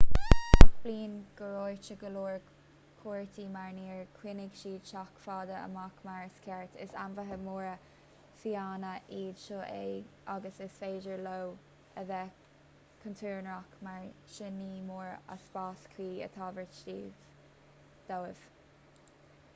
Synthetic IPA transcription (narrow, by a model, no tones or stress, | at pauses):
b̥liːnɡ̥əɹojt͡ʃəɡəluːɹ | kʰuːɹt̪ʰiːmaɹniːɹkʰwɪnɪɡʃiːdʃakfɑːd̪əə̰makmaɹskʰɛɹt̪ʰɪ̰sanvəɦəmuːɹə | fiaːnəʔiːd̪ʃoːʔeaɡəsɪsfeːd͡ʒəɹlow | əðɛ | kʰənt̪ʰuːɹnɹɔkmaɹʃɪniːmuːɹa̰sbɑːskʰwiːə̰t̪ʰɑːvəɹtiːv | d̪̥owɪv̥